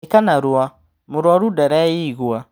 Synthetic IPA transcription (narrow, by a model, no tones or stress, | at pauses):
kanaɾwa | moɾwaɾudaɾajiɣwa